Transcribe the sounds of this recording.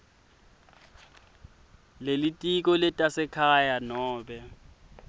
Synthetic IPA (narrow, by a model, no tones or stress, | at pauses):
lelitʼik̬ʼɔlɪtʼasɪkʰajanɔːbɛ